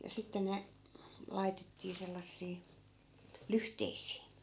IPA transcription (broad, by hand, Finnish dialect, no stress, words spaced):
jɑ sitːen ne lɑitetːiː selːɑsːiː lyhteisiː